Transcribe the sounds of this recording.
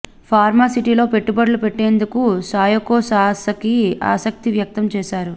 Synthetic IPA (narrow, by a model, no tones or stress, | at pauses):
pʰaːɾmaːsiʈiːlo̞ːpe̞ʈːubɐɽlupeʈːe̞ːnd̪ukusaːjɐkoːsaːsɐkia̰ːsɐk̚t̪iʋjɐk̚t̪ɐmt͡ʃɛːʃaːɾu